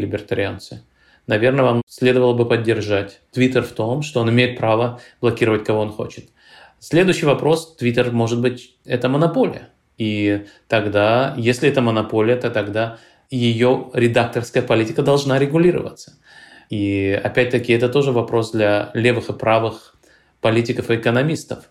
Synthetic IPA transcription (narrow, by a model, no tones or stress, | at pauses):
lʲɪbʲɪrt̪ɐɾʲɪant̪sɨ | nɐvʲe̞rnəvamsʲlʲe̞d̪əvəlˠəbɨpədʲːɪrʐatʲt̪vʲit̪ərft̪o̞mʂt̪oonɪmʲejɪt̪̚pɾavəblˠɐkʲiɾəvətʲkɐvo̞onxo̞̰t͡ɕɪ̥t̪ | sʲlʲe̞d̪ʊjɕːɪjvɐpɾo̞st̪vʲit̪ʲɪrmo̞ʐɨt̪̚bɨtʲ | ɛt̪əmənɐpo̞lʲɪ̰jə | it̪ɐɡd̪ajesʲlʲɪɛt̪əmənɐpolʲɪjət̪ot̪ɐɡd̪a | jɪjoɾʲɪd̪ak̚t̪ərskəjəpɐlʲitʲɪkəd̪ɐlˠʐnaɾʲɪɡʊlʲiɾə̰və̰t̪sə̥ | iɐ̰pʲæt̚ʲt̪əkʲɪɛt̪ət̪o̞ʐɨvɐpɾo̞sd̪lʲalʲe̞vɨxɨpɾʔavɨx | pɐlʲitʲɪkəfɨːkənɐmʲist̪əf